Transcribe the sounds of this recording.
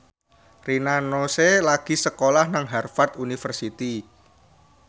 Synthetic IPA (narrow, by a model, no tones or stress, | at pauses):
rinanoselaɡ̥i̤səkolahnaŋɦɛrfart̪unifərsit̪i